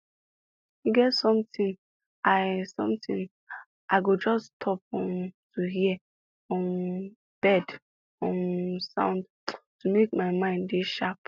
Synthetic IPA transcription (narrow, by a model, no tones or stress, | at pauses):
uɡɛtsɔ̃mtĩn | asɔ̰̃mtĩn | ʔaɪɡod͡ʒɔstʰɔpɔ̃mtʰuɦiɛ | ɔ̃n | b̥ɛd | ɔ̃nsã̰ʊ̃nd | tumekmaɪmãɪ̃ndeʃap̚